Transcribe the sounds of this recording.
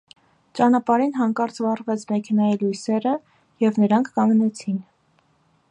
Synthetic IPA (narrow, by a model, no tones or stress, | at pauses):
t͡ʃɑnɑpɑɾinɦɑŋkɑɾt͡svɑrvɛt͡sʰmɛkʰɛnɑjilujsɛɾə | jɛvnəɾɑŋkʰːɑŋɡnɛt͡sʰin